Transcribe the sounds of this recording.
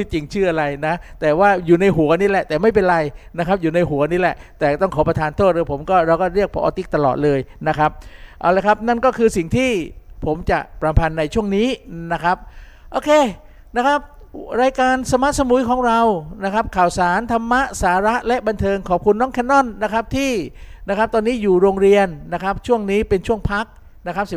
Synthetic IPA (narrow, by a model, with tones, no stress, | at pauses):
t̪ʰi˧˩t͡ɕi˧ŋt͡ɕʰɯː˥˩ʔa˧ɾa˧jna˦˥t̪ɛː˨˩waː˥˩juː˨˩na˧jɦu˩˦ɐniː˦˥˩lɛ˨˩t̪ɛː˨˩ma˥˩jp̬e˧nɾa˧jna˦˥kʰɾa˦˥p̚juː˨˩na˧jɦu˩˦ɐniː˦˥lɛ˨˩ʔt̪ɛː˨˩t̪ɔ˥˩ŋkʰɔː˩˦pɾa˧t̪ʰaː˧nt̪ʰoː˥˩t̪̚lɤː˧jpʰo˩˦mkɔː˥˩ɾa˧wkɔː˥˩ɾi˥˩ək̚pʰɔ̰˧ʔːt̪i˦˥k̚t̪a˧lɔ̰ː˨˩t̪̚lɤː˧jna˦˥kʰa˦˥p̚ʔa̰˧˩wlaː˧˩jkʰa˦˥p̚na˥˩nkɔː˥˩kʰɯː˧si˨˩ŋt̪ʰiː˥˩pʰo˩˦mt͡ɕa̰˨˩ʔpɾa˧mpʰa˧nːa˧jt͡ɕʰu˥˩əŋniː˦˥na˦˥kʰɾa˦˥p̚ | ʔoː˧kʰeː˧ | na˦˥kʰa˦˥p̚ | ɾaː˧jkaː˧nsa˧ma˦˥ʔsa˧mu˨˩˦jkʰɔː˩˦ŋɾa˧wna˦˥kʰa˦˥p̚kʰaː˨˩wsaː˩˦nt̪ʰa˧mːa˦˥ʔsaː˩˦ɾa˦˥ʔlɛ˦˥ʔba˧nt̪ʰɤː˧ŋkʰɔː˨˩p̚kʰu˧nːɔː˦˥ŋkʰɛ˦˥nːɔ˥˩nːa˦˥kʰa˦˥p̚t̪ʰiː˥˩na˦˥kʰa˦˥p̚t̪ɔː˧nːiː˦˥juː˨˩ɾoː˧ŋɾi˧ənːa˦˥kʰa˦˥p̚t͡ɕʰu˥˩əŋniː˦˥pe˧nt͡ɕʰu˥˩əŋpʰa˦˥k̚ | na˦˥kʰa˦˥p̚si˨˩